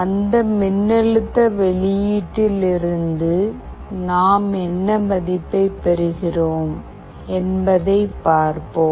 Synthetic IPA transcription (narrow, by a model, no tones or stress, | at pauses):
ɐnd̪ɐmɪnːɛɻɯt̪ːɐʋɛɭɪjiːʈːɪlɪɾɯnd̪ɯ | naːmɛnːɐmɐðɪpːɐɪpɛɾɯɣɪroːm | ɛnbɐðɐɪpːaːɾpoː